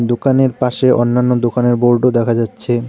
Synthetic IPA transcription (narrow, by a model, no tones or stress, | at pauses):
d̪okaneɾpaʃeʔo̰nːanːod̪okaneɾboɾɖod̪ɛkʰad͡ʑatːɕʰe